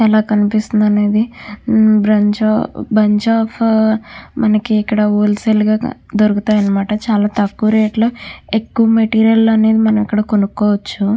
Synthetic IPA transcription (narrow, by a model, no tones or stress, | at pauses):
ɛlaːkɐnipist̪und̪ɐne̞ːd̪i | bɾɐɲd͡ʒabɐɲd͡ʒaːpʰ | mɐnɐkiːkːɐɽɐuːlselɡa̰ːd̪oɾukut̪aːjɐnːɐmaːʈɐt͡ʃaːlaːt̪ɐkːuɾeːʈloːekːuʋɐmeʈiːɾijɐlːoɐne̞ːd̪imɐnɐmikːɐɽɐkonukːoːʋɐt͡ʃːu